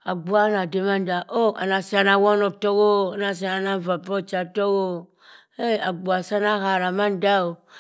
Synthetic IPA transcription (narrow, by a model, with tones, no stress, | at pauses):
a˨ɡ͡bu˦a˦na˨de˨ma˦n˦da˨ʔo˦a̰˨na˨si˦a˨na˨wɔ˦nɔ˨to˦ɡo˦˨a˨na˨s̬a˨na˨na˦˨va˨pɔ˦t͡ʃa˨to˦ɡo˦˨ | e˦˨a˨ɡ͡bu˨a˨sa˦na˦ha˨ɾa˨ma˦n˦da˦o˨